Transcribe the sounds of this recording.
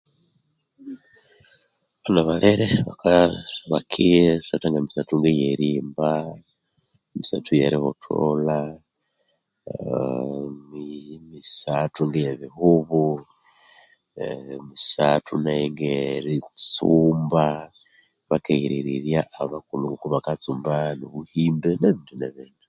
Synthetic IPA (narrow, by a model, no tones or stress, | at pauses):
βanaβaleɾeβakaβakʰiɾesataŋɡamisatuŋɡejeɾiːmba | misatujeɾihotʰo̰la | mimisatuŋɡejeβihuβu | musatʰunajeŋɡeɾit͡suːmba | βakeiɾiɾiɾjaʔːβakuluŋɡukuβakat͡suːmbanoβuhiːmbeneβindineβeːnda